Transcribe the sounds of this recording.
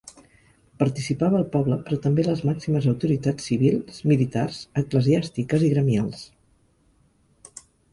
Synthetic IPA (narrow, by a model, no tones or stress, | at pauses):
pəɾt̪isipaβəːlˠpɔβləpɾɔt̪əmbeləzmaksiməzəwt̪uɾit̪at͡sːiβ̞ilˠz̥milit̪a̰rzəkləziast̪ikəziɣɾəmialˠs